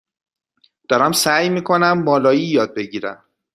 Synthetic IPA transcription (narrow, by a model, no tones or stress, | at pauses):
d̪̥ɒːɾæmsæjmiːkʰo̞næmːɒːlɒːjijɒːd̪̚be̞ɟiːɾæ̰m